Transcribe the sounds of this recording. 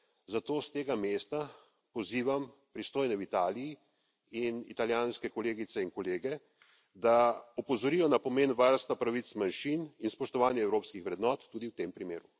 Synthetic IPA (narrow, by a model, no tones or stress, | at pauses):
zat̪oːst̪eːɡameːst̪a | pɔziːʋampɾist̪oːjnɛwit̪aːliji | inḭt̪aljaːnskɛkɔleːɡit̪sɛinkɔleːɡɛ | d̪aɔpɔzɔɾijɔnapɔmeːnʋaɾst̪apɾaʋit̪smanʃininspɔʃt̪ɔʋaːnjɛɛwɾoːpskixʋɾɛd̪nɔːt̪ːuːd̪iwt̪empɾimeːɾu